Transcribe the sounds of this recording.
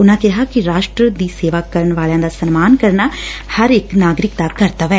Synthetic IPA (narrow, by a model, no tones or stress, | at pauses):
ʊnãːkɪɦaːkɪɾaːʃʈɾəd̪iːseːʋaːkəɾəɳʋaːljãːd̪aːsənmaːnkəɾnaːhəɾɪknaːɡɾɪkd̪aːkəɾt̪aːʋɛː